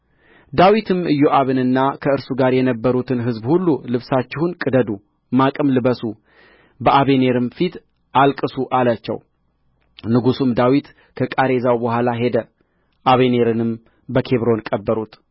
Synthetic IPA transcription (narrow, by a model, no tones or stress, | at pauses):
d̪awit̪ʰɨmɨjːoʔaβɨnɨnːakʰəɨɾsuɡaɾjɛnəbːəɾut̪ʰɨnɦɨzbhulːulɨβsat͡ʃːɪhunkʼɨd̪əd̪u | makʼɨmlɨβəsu | bəʔaβe̞ne̞ɾɨmfit̪ | ʔalkʼɨsuʔalat͡ʃːɛ̰w | nɨɡusumd̪awit̪ | kʰəkʼaɾe̞zawbəhʷalaɦe̞d̪ə | ʔaβe̞ne̞ɾɨnɨm | bəkʰe̞βɾo̞nkʼəbːəɾut̪